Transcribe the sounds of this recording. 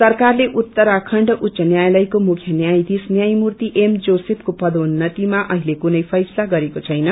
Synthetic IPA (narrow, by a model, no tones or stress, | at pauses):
sʌrkarleʔut̪ːʌɾakʰʌɳɖʔut̪ːsʌnjajlʌjkomukʰjʌnjajd̪isnjajmurt̪iʔemd͡zosep̚ʰkopʌd̪onːʌt̪imaʔʌɦilekunʌjpʰʌjsʌlaɡʌɾekot͡sʰʌjnʌ